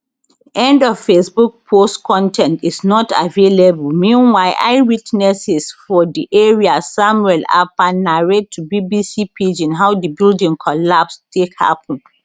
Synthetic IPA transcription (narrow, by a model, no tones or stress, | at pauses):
ʔɛ̃ndɔv̥fesbuk̚pʰostkʰɔ̃ntʰɛ̃ntisnɔta̰velebulmĩnwaɪʔa̰ɪwitnɛsisfɔdiʔeɹiasamwɛla̰panaɹetʰːubibisipʰed͡ʒĩnɦawdəbildĩŋkʰɔlapstʰekha̰pə̃n